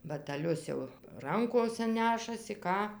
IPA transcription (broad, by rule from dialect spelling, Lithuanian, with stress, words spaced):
bɐtʲæˈlʲʊs jɛʊ ˈrɐŋkoːsʲɛ ˈnʲæːʃɐsʲɪ ˈkɑː